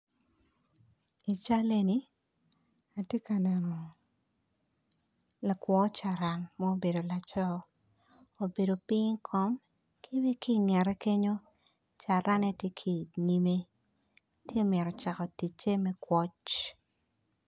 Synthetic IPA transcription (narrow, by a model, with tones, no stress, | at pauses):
i˨t͡ʃa˦le˦ni˦ | a˨tje˦ka˨nɛ˨nɔ˨ | la˨kwɔ˨˦t͡ʃa˨ɾa˨ŋmɔ˦o˦be˨do˨la˨t͡ʃɔ˦ | o˨be˨do˨pi˦ŋkʰɔ˦m | kʰi˦be˦ki˦˨nɪɛ˨ɾɛ˦ke˦ɲo˦ | t͡ʃa˨ɾa˦ne˦tje˦kʰi˨ni˦me˦ | tje˦˨mjɛ˨ɾɔ˨t͡ʃa˨kɔ˨ti˨t͡ʃe˦mɛ˦kwʷɔ˦t͡ʃ